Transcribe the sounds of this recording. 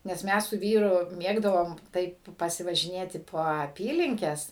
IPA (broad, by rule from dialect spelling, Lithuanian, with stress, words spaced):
nʲɛs ˈmʲɛs sʊ ˈʋʲiːrʊ ˈmʲeːɡdɐʋoːm ˈtɐɪp pɐsʲɪʋɐʒʲɪˈnʲeːtʲɪ poː ɐˈpʲiːlʲɪŋʲkʲɛs